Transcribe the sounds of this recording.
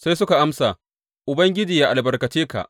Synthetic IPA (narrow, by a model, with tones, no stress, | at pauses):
sa˦jsʊ˦ka˨ʔa˦msaː˨ | ʔʊ˨bɐ˦ŋɡʲɪ˦d͡ʒiː˨ja˦ʔa˨lbɐ˨rkɐ˨t͡ʃeː˦ka̰˨ʔ